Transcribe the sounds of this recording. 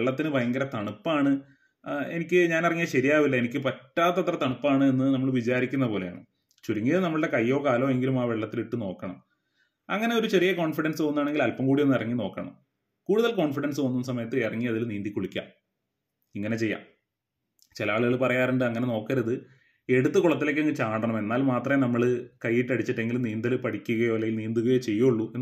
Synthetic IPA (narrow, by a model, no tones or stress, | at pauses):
eɭːɐt̪ːinɨbʱɐjɐŋɡɐɾɐt̪ɐɳupːaːɳɨ | e̞nikʲːɨɲaːnirɐŋːijɐɕɐɾijaːʋilːɐenikʲːɨpɐtːaːt̪ːɐt̪ːrɐt̪ɐɳupːaːɳɨenːɨnɐmːɐɭʋit͡ɕaːɾikʲːunːɐpoːle̞ja̰ːɳɨ | t͡ɕuɾuŋːinɐmːɐɭɨɽe̞kɐjːo̞ːkaːlo̞ːe̞ŋɡilumaːʋe̞ɭːɐt̪ːiliʈːɨno̞ːkːɐɳɐ̰m | ɐ̰ŋːɐne̞o̞ɾut͡ɕerijɐko̞ːɳfiɽɐnsɨʋɐnːaːɳe̞ŋɡilɐlpɐmkuːɽije̞nːirɐŋːino̞ːkːɐɳɐ̰m | kuːɽuðɐlko̞ːɳfiɽɐnsɨʋɐnːunːsɐmɐjɐt̪ːɨerɐŋːiɐðilniːnd̪ikʲːoɭikʲːa̰ː | iŋːɐne̞t͡ɕe̞jːa̰ːm | t͡ɕilɐaːɭuɣɐɭpɐrɐjaːɾuɳɖɨɐŋːɐneno̞ːkːɐɾɐðɨ | e̞ɽut̪ːɨkuɭɐt̪ːileːkːeŋːɡɨt͡ɕaːɳɖɐɳɐme̞nːaːlmaːt̪rɐmenɐmːɐɭɨkɐjːiʈːɐɽit͡ɕːiʈːe̞ŋɡilumniːnd̪ɐlɨpɐɽikʲːuɣɐjo̞ːlːɐjilniːnd̪uɣɐjet͡ɕe̞jːuuɭːue